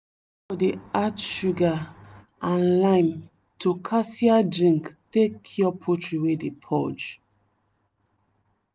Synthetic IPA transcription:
fɔdeatʃuɡa | ãnlãɪ̃m | tʰukʰasiadɹĩŋktekʰːiɔpʰotɹiwedepʰɔd͡ʒ

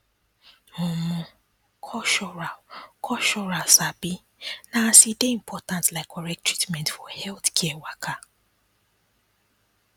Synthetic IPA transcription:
ʊmʊ̃ | kʰɔʃɔakʰɔʃɔɾasabi | nasideĩm̩pʰɔtãntlaɪkɔɾɛk̚tɹitmɛ̃ntfɔhɛlθkʰɛɛwakʰa

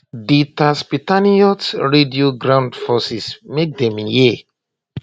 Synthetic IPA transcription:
ditaspitaniɔtɹedioɡɾãʊ̃ndfɔsismek̚dɛ̃mije

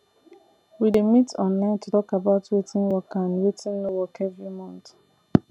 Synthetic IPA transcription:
widemitʰɔ̃nlãɪ̃ntʰutɔkabaʊtwetĩnwɔkãnwetʰĩnnowɔkevɹimɔ̃nt

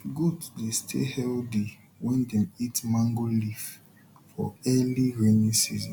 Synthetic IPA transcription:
ɡuddestʰḛhɛldi | wɛ̃ndɛ̃mitmãŋɡolif | fɔ̰ɛliɹenĩsḭzɔ̃n

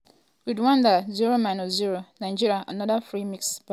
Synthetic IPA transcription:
widwãndəzuɹomãnɔzuɹonaɪd͡ʒiɹiaʔanɔdafɹimiksba

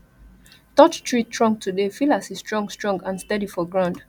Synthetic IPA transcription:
tɔt͡ʃtʰɹitʰɹɔ̃ŋɡ̚tʰudefilasistɹɔ̃ŋɡstɹɔ̃ŋɡãnstɛdifɔɡɹãʊ̃nd

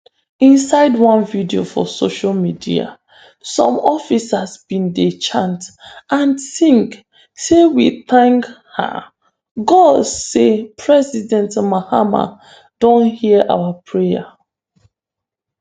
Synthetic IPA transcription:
ĩnsaɪdwɔ̃nvidiofɔ̰soʃalmidia̰ | sɔ̰̃mɔfisasbĩndet͡ʃãntʔãnsĩŋk | sewiθãŋk | ha̰ | ɡɔdsepʰɹɛzidɛ̃ntmahama̰ | d̥õnhiʔa̰wapʰɹeja

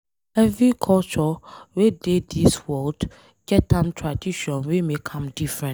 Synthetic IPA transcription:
ɛvɹikʰɔlt͡ʃɔwedediswɔld | ɡɛtãntʰɹadiʃɔ̃nwemekʰãmdifɹɛ̃n

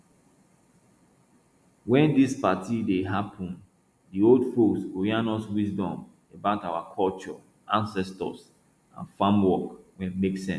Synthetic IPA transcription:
wɛ̃ndispatʰideɦapʰɔ̃n | dioldfosoɹianɔswisdɔ̃m | ebaʊtawakʰɔlt͡ʃɔ̰ | ãnsɛstɔ̰s | ã̰nfãmwɔkwɛ̃nmeksɛ̃ns

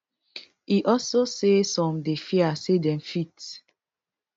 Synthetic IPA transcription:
iʔɔsosesɔ̃mdefiasedɛ̃mfit

